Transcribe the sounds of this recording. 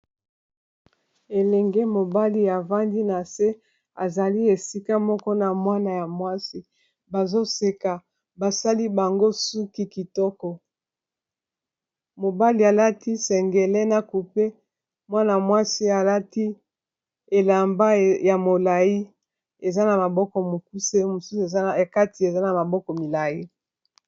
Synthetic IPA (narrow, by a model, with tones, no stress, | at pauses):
e˨lɛ˨ŋɡe˦mo˨ba˦li˦a˨va˦ndi˦na˨se˦ | a˨za˨li˦e˨si˦ka˦mɔ˦kɔ˦na˨mwa˦na˨ja˨mwa˦si˦ | ba˨zo˦se˨ka˨ | ba˨sa˦li˦ba˨ŋɡo˦su˦ki˦ki˨tɔ˦kɔ˨ | mo˨ba˦li˨a˨la˦ti˦sɛ˨ŋɡe˨le˦na˨ku˨pe˦ | mwa˦na˨a˨mwa˦si˦a˨la˦ti˦ | e˨la˨mba˦ja˨mo˨la˨ji˦ | e˨za˦na˨ma˨bɔ˦kɔ˨mo˨ku˦se˦mo˨su˦su˨e˨˦˨ka˦ti˨e˨za˦na˨ma˨bɔ˦kɔ˨mi˨la˨ji˦